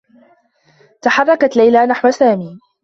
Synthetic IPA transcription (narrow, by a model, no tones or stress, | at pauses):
t̪aħɑrˤːɑkat̪lajlaːnaħwasaːmiː